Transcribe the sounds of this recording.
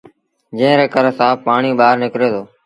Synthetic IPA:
d͡ʒẽːɾeːkəɾsãːpaːɳiːɓaːɾnɪkɾeːt̪oː

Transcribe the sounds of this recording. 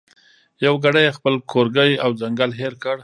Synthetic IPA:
jawɡaɽajexpəlkʰoɾɡəjawzaŋɡalɦeɾkəɽ

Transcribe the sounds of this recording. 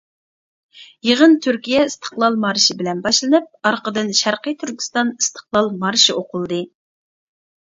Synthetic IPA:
jeʁənt̪ʰyɾkʲijɛɨst̪ʰə̥χlˠɑlˠmɑɾʃibɪlɛnbɑʃlˠɨnɨp̚ɑɾqəd̪ɨnʃæɾqəjt̪ʰyɾkʲi̥st̪ɑnɨst̪ʰə̥χlˠɑlˠmɑɾʃioqʊlˠɨd̪ɨ

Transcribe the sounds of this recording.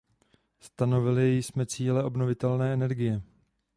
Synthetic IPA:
st̪ano̞vɪlɪjjsmɛt͡siːlɛʔo̞bno̞vɪt̪ɛlnɛːɛnɛɾɡɪjɛ

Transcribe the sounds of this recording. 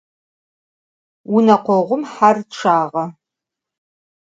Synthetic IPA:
unɐqʷɔʁʷʊmħarʈ͡ʂʰaːʁɐ

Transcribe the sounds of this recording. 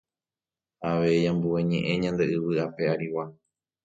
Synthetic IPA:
aʋeijãmbueɲẽ̞ʔẽ̞ɲãnd̪e̞ɨβɨape̞aɾiwa

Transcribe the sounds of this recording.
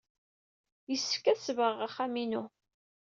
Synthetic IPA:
jəsːfkːæsvəʁaχaminu

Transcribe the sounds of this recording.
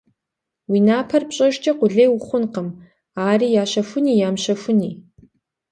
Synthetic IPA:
winaːpʰɐrpɕʼɐʒt͡ʃʼɐqʷʊɮeːjwʊχʷʊnqəm | aːriːjaːʃɐfʷʊniːjaːmʃɐfʊniː

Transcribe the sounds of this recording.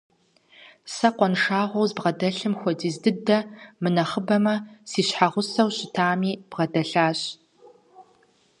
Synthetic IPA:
sɐqʷɔnʂaːʁʷɔwzbʁɐdɐɬɨmxʷɔdiːzdɨdɐmɨnɐχəbɐmɐsiːɕħaʁʷʊsɐwɕɪtʰaːmiːb̥ʁɐdɐɬaːɕ

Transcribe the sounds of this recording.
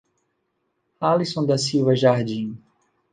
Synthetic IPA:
alisõd̪ɐsiwvɐʒaɾd͡ʒĩ

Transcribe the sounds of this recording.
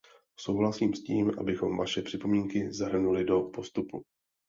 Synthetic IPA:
so̞wɦlasiːmsciːmʔa̰bɪxo̞mvaʃɛpr̝̥ɪpo̞miːŋkɪzaɦr̩nulɪdo̞po̞st̪upu

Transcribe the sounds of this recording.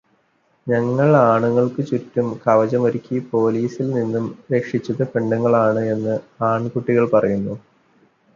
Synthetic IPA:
ɲɐŋːɐɭaːɳuŋːɐɭkɨt͡ɕutːumkɐʋɐd͡ʑɐmoɾikʲːipo̞ːliːsilninːumɾe̞kʂit͡ɕːɐðɨpeɳɖɐŋːɐɭaːɳɨe̞nːɨaːɳkuʈːiɣɐɭpɐrɐjunːu

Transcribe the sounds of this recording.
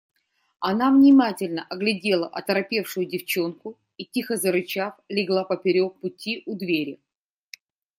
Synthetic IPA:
ɐnavnʲɪmatʲɪlʲnəʔɐɡlʲɪdʲe̞lˠəʔɐt̪əɾɐpʲe̞fʂʊjʊdʲɪft͡ɕo̞nkʊ | itʲixəzəɾʊt͡ɕaflʲɪɡlˠapəpʲɪɾʲo̞k̚pʊtʲiʔʊd̪vʲeɾʲɪ

